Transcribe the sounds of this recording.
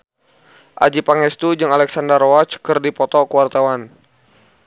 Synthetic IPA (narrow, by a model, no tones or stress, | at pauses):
ʔa̰d͡ʒipaŋɛst̪ud͡ʒɨŋalɛksandərowat͡ʃkərdipɔt̪ɔkəwart̪awan